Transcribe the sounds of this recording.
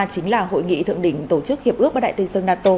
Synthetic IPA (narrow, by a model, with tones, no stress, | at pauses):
t͡ɕï˨˦ŋ̟laː˨˩ɦo̰˧˨jŋḭ˧˨t̪ʰɨ̰˧˨əŋɗï˧˩ŋ̟t̪o˧˩t͡ɕɨ˦˥k̚hi˨˩əp̚ʔk̚ɓːɗa̰ː˧˨t̪i˧nsə˧ŋnaː˧t̪o˧